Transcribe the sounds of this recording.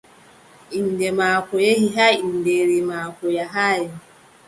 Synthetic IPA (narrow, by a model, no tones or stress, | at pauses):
in̩demakʷojeɦiɦain̩deɾimakʷojaɦaja